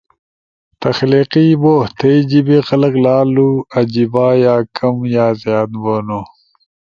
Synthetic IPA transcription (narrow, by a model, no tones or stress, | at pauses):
t̪ɐxliːqiboːht̪ʰejd͡ʑibexɐlɐklaːluɐd͡ʑibaːjaːkʰɐmjaːzjaːd̪boːno